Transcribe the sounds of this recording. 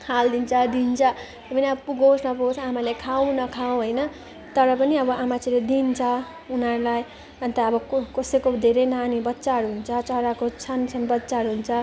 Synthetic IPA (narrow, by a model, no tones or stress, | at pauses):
kʰald̪int͡sʰʌd̪int͡sʰʌ | epʌniʌbʌpuɡosnʌpot͡sʰamalekʰaw̃nʌkʰaw̃ɦojnʌ | t̪ʌɾʌpʌniʌbʌʔamat͡siled̪int͡sʰʌ | unʌrlaj | ʌnt̪ʌʌbʌkʌsekod̪ʱeɾejnanibʌtːsaɦʌɾuɦunt͡sʰʌt͡sʌɾakot͡sʰʌnsʰʌnbʌtːsaɦʌɾuɦunt͡sʰʌ